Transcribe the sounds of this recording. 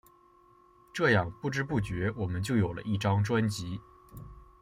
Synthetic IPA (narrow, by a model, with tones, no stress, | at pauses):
ʈ͡ʂɤ˥˧jɑ˥˧ŋpu˥˩ʈ͡ʂɻ̩˥p̬u˥˩t͡ɕɥɛ˧˥wɔ˨˩mə˦nt͡ɕjo˥˩ʊjo˨˩ʊlə̰˦ʔi˥˩ʈ͡ʂɑ˥ŋʈ͡ʂwa˥nt͡ɕi˧˥